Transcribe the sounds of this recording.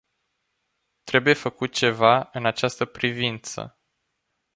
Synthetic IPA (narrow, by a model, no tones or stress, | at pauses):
t̪ɾe̞buje̞fəkut̪̚t͡ʃe̞vaɨnat͡ʃast̪əpɾivint̪sə̰